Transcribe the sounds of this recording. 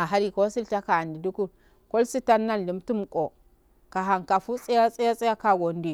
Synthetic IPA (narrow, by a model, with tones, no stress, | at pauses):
a˨ɦa˦ɾi˨ko˦si˦lta˦ka˨a˨ndi˨du˦ku˦ | ko˦lsi˦ta˦nːa˦n˨li˨mtu˦m˨kʼo˨ | ka˨ɦa˨ŋka˨fu˦t͡sʼi˦ja˦t͡sʼi˦ja˦t͡sʼi˦ja˦ka˦ɡo˨n˦di˦˨